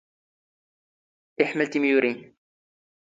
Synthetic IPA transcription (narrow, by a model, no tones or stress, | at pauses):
ʔɪħməlt̪imjuɾin